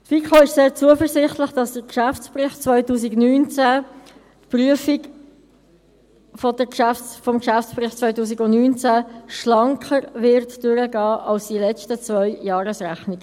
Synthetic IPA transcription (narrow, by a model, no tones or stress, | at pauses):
tfikχoɪʃseːɾt͡suəfəɾsɪχtləχd̥ɑsd̥əkʃæft͡sprɪχt͡svœʏtuːsiɡnyːnt͡sæ | tpryəfik | fɔdəkʃæftfɔmkʃæft͡sprɪχtt͡svœʏtuːsiɡʊnnyːnt͡sæʃlɑŋkχəɾvɪɾtd̥øɾəɡɑːʔɑlsd̥ilɛt͡stət͡svœʏjɑːɾəsræχnɪɡə